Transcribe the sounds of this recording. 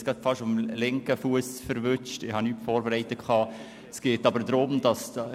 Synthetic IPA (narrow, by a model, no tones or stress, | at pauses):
sɡ̥ɑdfɑʃʊmlɪŋkəfuəsfəɾʋʏt͡ʃtɪhɑnyːtfoːɾbɛɾæɪtəkʰɑː | sɡ̥eːtɑbəɾdɾʊmd̥ɑs